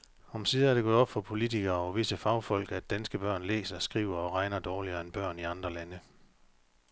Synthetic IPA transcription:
ɒ̽msiːðˠæɐdɾe̝ɡɔ̽ðˠɒb̥fɒ̽pʰo̝lit͡sʰiɡ̥ɐːɒʋe̝səfɑ̈ʊfɒ̽l̰ɡ̥æd̥ænsɡ̥əb̥ɶɐ̰nlḛːsɐsɡ̥ʁiːʊ̰ɐɒ̽ʁɑ̈ɪnɐd̥ɒːliɐenb̥ɶɐ̰niɑ̈nd̥ʁɐlænə

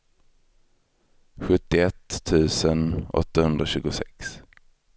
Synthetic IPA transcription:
ɧɵt̪ːɪɛt̪ʰːʉ̟ːsənɔ̰t̪ːahɵnd̪ɾaɕʉ̟ːɡʊsɛ̰ks

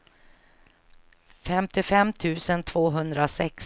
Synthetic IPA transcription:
fɛmt̪ʰɪfɛmːt̪ʰʉ̟ːsənt̪ʰvoːɦɵnd̪ɾasɛks

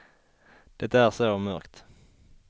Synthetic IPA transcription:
d̪̥ɛt̪ːəæːʁsomœ̰ʁkt̪

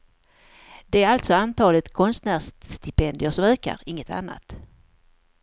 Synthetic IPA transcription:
d̪̥ɛæɾalt̪sɔant̪ʰɑːlət̪kʰɔnst̪næːʂt̪ɪpʰɛnd̪ɪəʂɔmøːka̰ɾɪŋːət̪ʰa̰nːa̰t̪

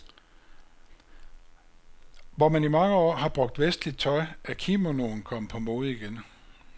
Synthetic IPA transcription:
ʋɒmænimɑ̈ŋəɒ̰ːɦɑ̈b̥ʁɔ̽ɡ̥̚d̥ʋesd̥lid̥̚t͡sʰɒ̽ɪʔækʰimo̝no̝̰ːn̩kʰɒ̽m̰pʰɒ̽mo̝ːð̞̩ˠiɡ̥en

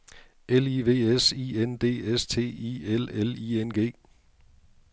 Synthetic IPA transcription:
eliːʋe̝̰ːesiːend̥e̝̰ːest͡sʰe̝̰ːḭːelelḭːenɡ̥e̝̰ː

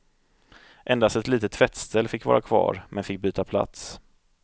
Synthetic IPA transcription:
ʔɛnd̪ast̪ɛt̪liːt̪ət̪ːvɛt̪st̪ʰɛlːfɪkːvɑ̰ːɾʔakʰvɑ̰ːɾmʔɛnfɪk̚ːbyːt̪apʰla̰t̪s

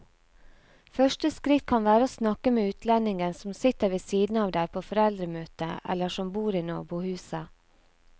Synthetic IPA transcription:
fœʃʈəskɾɪt̪̚kʰɑnʋæːɾəoːsnɑkəmeːʉːt̪ʰlɛnɪŋənsɔmsɪt̪əɾʋisiːd̪n̩ɑːʋd̪æːɾpʰoːfɔɾɛld̪ɾəmøːt̪əʔɛ̰lːəʂɔmbuːɾiːno̰ːbuhʉːsə

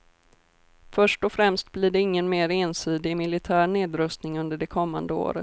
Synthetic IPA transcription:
fœʂʈɔfɾɛmst̪̚blɪɖɛɪŋːənmeːɾeːnsiːd̪ɪmɪlɪt̪ʰæːɳeːd̪ɾɵst̪nɪŋɵnd̪əɖɛkʰɔmːa̰nd̪əo̰ːɾə̰

